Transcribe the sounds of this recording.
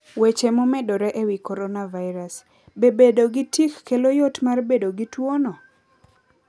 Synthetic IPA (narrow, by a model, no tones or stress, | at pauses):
wet͡ʃemomɛdoɾɛʔewikɔɾɔnavaɪɾas | bebedoɡitikːelojotmarbedoɡitwonɔ